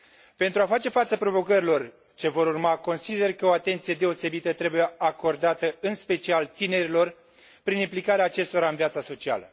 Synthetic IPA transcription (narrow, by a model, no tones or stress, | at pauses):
pe̞nt̪ɾuafat͡ʃe̞fat̪səpɾo̞vo̞kəɾilo̞r | t͡ʃe̞vo̞ɾurmako̞nsid̪e̞rkəo̞at̪e̞nt̪sije̞d̪e̞o̞se̞bit̪ət̪ɾe̞buje̞ako̞rd̪at̪əɨnspe̞t͡ʃialt̪ine̞ɾilo̞r | pɾinimplikaɾeaːt͡ʃe̞st̪o̞ɾaɨnviat̪saso̞t͡ʃia̰lə̰